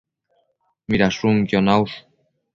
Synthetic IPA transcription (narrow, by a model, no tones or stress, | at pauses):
miɾasuŋkjonaws